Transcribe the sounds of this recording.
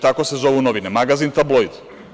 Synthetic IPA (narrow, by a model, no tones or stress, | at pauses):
t̪akosɛzɔvɛunɔvinɛmaɡazint̪ablˠojd̪